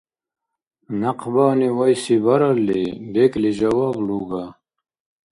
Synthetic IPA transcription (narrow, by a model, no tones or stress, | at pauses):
nɐqʰbaːniwajsibaɾalːibekliʒɐwaːbluːɡa